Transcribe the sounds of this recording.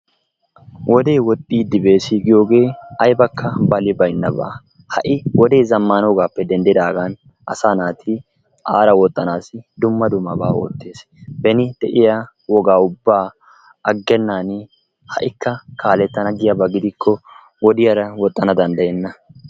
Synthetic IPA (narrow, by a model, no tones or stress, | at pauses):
wʔɔd̪eːwɔt̪ʼːiːd̪ɪbe̞ːsiːɡɪjo̞ːɡe̞ːɐjbɐkʰːɐbɐlɪbɐjnːɐbɐ̰ | hɐʔɪwɔd̪eːzɐmːaːnwɔɡaːpːɛd̪ɛnd̪ɪd̪aːɡan | ʔɐ̰saːnaːt̪ʰɪ | ʔaːɾɐwɔt̪ʼːɐnaːsɪd̪ʊmːɐd̪ʊmːɐbaːo̰ːt̪ːe̞ːs | bɛnɪd̪̥ɛʔɪja | wɔɡaːʊbːaː | ɐɡːɛnːaːn | hɐʔɪkːɐkʰaːlɛt̪ːɐnɐɡɪjɐbɐɡɪd̪ɪkʰːɔ | wɔd̪ɪjɐɾɐwɔt̪ʼːɐnɐd̪ɐnd̪ɐjɛnːɐ